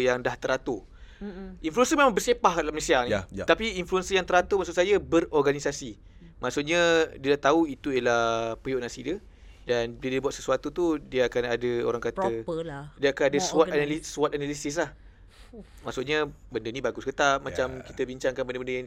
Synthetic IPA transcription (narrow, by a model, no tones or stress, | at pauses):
jaŋdaht̪əɾat̪o | iɱfluənsəmemaŋbərsepahkadalamlesianit̪apiinfluənsəjaŋt̪əɾat̪omaʔsutʔ̚sajabərɔrɡanisasi | maʔsʊʔɲadiədaht̪auit̪uəlahpijoʔnasidə | danbidibuat̪səsuat̪ut̪udiəakanadəo̰ɾaŋkat̪əəldiəakanadəsuat̪anasuat̪analisis̬lah | maʔsuʔɲa | bəndənĩbaɡʊskət̪amat͡ʃamkit̪əbiɲt͡ʃaŋkanbəndəbəndəãŋ